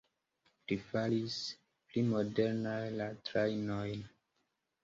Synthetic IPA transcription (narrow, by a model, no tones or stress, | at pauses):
lifalis | plimodeɾnajlatɾajnojn